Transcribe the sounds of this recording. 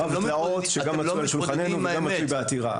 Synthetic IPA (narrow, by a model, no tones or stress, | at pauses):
avlaot̪ʃeɡammaualeʃulχanenuɡamːat͡sujbeat̪iʁa̰